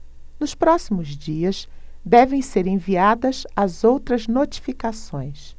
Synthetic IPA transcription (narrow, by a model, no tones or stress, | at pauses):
nʊspɾɔsimʊzd͡ʒiɐzd̪ɛvẽj̃seɾẽviad̪ɐzazowt̪ɾɐznot͡ʃi̥fikasõj̃s